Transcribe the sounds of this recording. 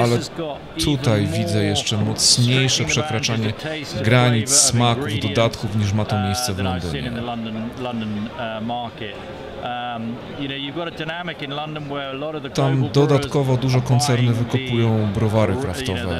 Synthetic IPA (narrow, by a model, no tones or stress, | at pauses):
alɛ | t̪ʰut̪ajvʲid̪zɛjɛʂt͡ʂɛmɔt̪sɲejʂɛpʂɛkɾat͡ʂaɲɛɡɾaɲissmakuvd̪ɔd̪at̪kufɲiʂ̬mat̪ɔmʲjejst̪sɛvlɔnd̪ɪ̰ɲɛʌ̃ndənlʌ̃ndə̃nəmɑˑkɪt | m | jɨnoʊjɨvɡɔɾədaɪnamɪkɪ̃nlʌ̃ndə̃nwəɹəlɔɾəvðət̪amd̪ɔd̪at̪kɔvɔd̪uʐɔkɔnt̪sɛɾnɨvɘkɔpujɔ̃w̃bɾɔvaɾɨkɾaft̪ɔvɛ̰